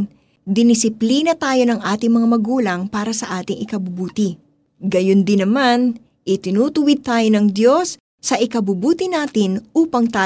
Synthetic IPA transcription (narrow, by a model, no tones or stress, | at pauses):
d̪ɪnɪsɪpliːnɐt̪aːjo̞nɐŋʔaːt̪ɪŋmɐŋamɐɡuːlɐŋpaːɾɐsɐʔaːt̪ɪŋʔɪkɐbʊbuːt̪ɪ | ɡɐjond̪ɪnɐman | ʔɪt̪ɪnuːt̪ʊwɪd̪̚t̪aːjo̞nɐŋd̪jo̞sː | ɐʔɪkɐbʊbuːt̪ɪnaːt̪ɪnʔuːpɐŋt̪aː